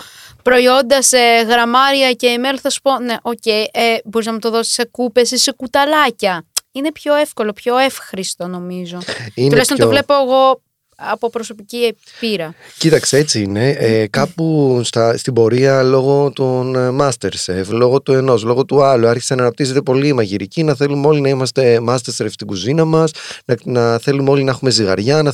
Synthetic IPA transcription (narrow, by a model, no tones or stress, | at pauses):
pɾo̞io̞nd̪ɐseɣɾɐmɐɾiɐce̞ːmelθɐsu̥po̞ne̞ʔo̞ce̞jʔebo̞ɾiznɐmut̪o̞ðo̞si̥sekupe̞sisekut̪ɐlɐcɐine̞pço̞e̞fko̞lo̞pço̞e̞fxɾist̪o̞no̞mizo̞inlɐjst̪oovlepoeɣo̞ | ɐpo̞pɾo̞so̞pici | piɾɐcit̪ɐkseet͡siine̞kɐpust̪ɐst̪ibo̞ɾiɐlo̞ɣo̞t̪onmɐst̪e̞ɾseflo̞ɣo̞t̪ue̞no̞slo̞ɣo̞t̪uɐluɐɾçi̥sɐnɐːnɐp̚t̪ise̞t̪e̞po̞liemɐʝiɾicinɐθe̞lumeo̞linɐimɐst̪e̞mɐst̪eseɾeft̪ikuzinɐmɐsnɐnɐθe̞lumeo̞linɐexume̞ziɣɐɾʝɐnɐ